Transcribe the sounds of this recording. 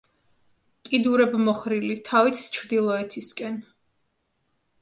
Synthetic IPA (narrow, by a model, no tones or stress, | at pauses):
kʼid̪uɾɛbmɔχɾilit̪ʰavit̪ʰt͡ʃʰɾd̪ilˠɔɛt̪ʰiskʼɛn